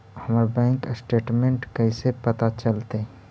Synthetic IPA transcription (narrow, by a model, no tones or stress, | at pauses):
hɐmaːɾbɛ̃ːŋksʈeːʈmẽɳʈkəĩsepɐt̪at͡ʃəlt̪eɦ